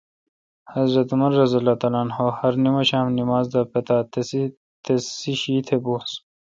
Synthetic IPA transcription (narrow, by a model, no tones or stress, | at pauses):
hɐzɾɐt̪umɐɾːɐzɐlaːt̪ɐlaːnɦoːhɐɾnimɐɕaːmnimaːzd̪ɐpɐt̪aːt̪ | t̪esiɕiːt̪ʰebus